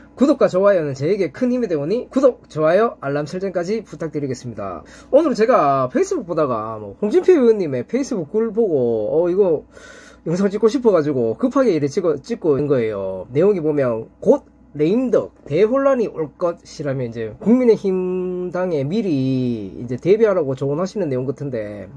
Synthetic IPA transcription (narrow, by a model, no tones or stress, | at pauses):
kudop̚k͈at͡ɕowajʌnɯnt͡ɕeːɡe̞kʰɯnimedeboɲikudok̚t͡ɕoajʌaɭːamsʰɯɭt͡ɕ͈ʌnk͈ad͡ʑiputʰak̚t͈eɾiɡe̞s͈ɯmɲida̰ | onɯɾot͡ɕe̞ɡapʰe̞is͈ʰɯbuk̚p͈odaɡa̰mʌɸoŋd͡ʑimpʰijuɯɲːime̞pʰe̞is͈ʰɯbuk̚k͈uɭboɡoʌiɡʌ | jʌŋsʰʌŋt͡ɕ͈ik͈oɕʰipʰʌɡad͡ʑuɡokɯpʰaɡeiɾet͡ɕiʌt͡ɕ͈ik͈oinɡʌe̞jone̞joŋibomjʌnkot̚ | ɾe̞indʌk̚te̞ɸoɭːaniʔoɭk͈ʌt̚ɕʰiɾamjʌnind͡ʑe̞kuŋmine̞çimdaŋe̞miɾiḭnd͡ʑe̞te̞biɦaɾaɡot͡ɕoɡonɦaɕʰinɯnːe̞joŋɡʌtʰɯnde̞̰